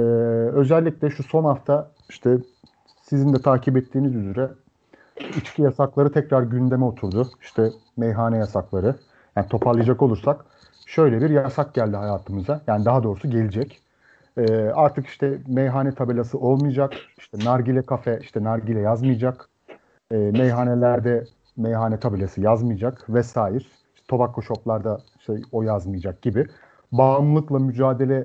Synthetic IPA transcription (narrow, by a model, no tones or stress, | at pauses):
ɛːø̞zælʲːicʲlʲɛʃuso̞nhaft̪ʰa | iʃt̪ʰɛ | sizind̪ɛt̪ʰaːcʰibɛt̪ʰːiːnizyzyɾɛ | it͡ʃcʰijasaklˠaɾɯt̪ʰɛcɾaɾɟynd̪e̞mɛo̞t̪ʰuɾd̪ʊi̥ʃt̪ʰɛ | mejɦaːnɛjasaklˠaɾɯ | jaːnit̪ʰo̞pʰaɾlˠɯjd͡ʒako̞lˠuɾsak | ʃø̞jlʲɛbiɾjasak̚ɟælʲd̪iɦajaːt̪ʰɯmɯzajaːnid̪aɦad̪o̞ːɾusuɟe̞lʲid͡ʒɛc | ɛːaɾt̪ʰɯkiʃt̪ʰɛmejɦanɛt̪ʰabelʲasɯʔo̞lˠmɯjd͡ʒakiʃt̪ʰɛnaɾɟilʲɛkʰafɛʔiʃt̪ʰɛnaɾɟilʲɛjazmɯjd͡ʒak | ɛːmejɦanelʲæɾd̪ɛ | mejɦanɛt̪ʰabelʲasɯjazmɯjd͡ʒakvɛsaːjiɾ̥ | iʃt̪ɛt̪ʰo̞bakʰːoʃo̞plˠaɾd̪aiʃt̪ɛo̞jazmɯjad͡ʒak̚ɟ̥ibɪ | baːmlˠɯklˠamyd͡ʒaːd̪e̞lʲɛ